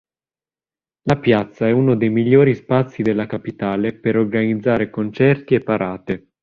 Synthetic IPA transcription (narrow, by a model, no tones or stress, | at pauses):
lapjat̪sːaɛunod̪ejmiʎːoːɾispat̪sːid̪elːakapit̪aːlepeɾorɡanid̪zːaːɾekont͡ʃɛrt̪iepːaɾʔaːt̪e